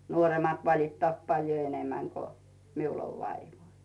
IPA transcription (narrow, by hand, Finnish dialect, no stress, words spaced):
nuoremɑt ʋɑlitːɑːt pɑljo enemæŋ ko miul oʋ ʋɑiʋoi